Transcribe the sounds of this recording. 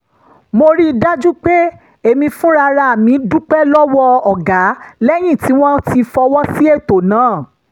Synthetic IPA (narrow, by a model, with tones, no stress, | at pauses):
mo˧ɾi˦˧da˦d͡ʒu˦k͡pe˦ | e˦˨mĩ˧fũ˦ɾa˧ɾa˧a˨mĩ˨˦du˦k͡pɛ˦lɔ˦wɔ˦ɔ˨ɡa˨˦lɛ˦j̃ĩ˦˨ti˨˦w̃ɔ̃˦ti˧fɔ˧wɔ˦si˦e˦˨to˨nãː˨˦˨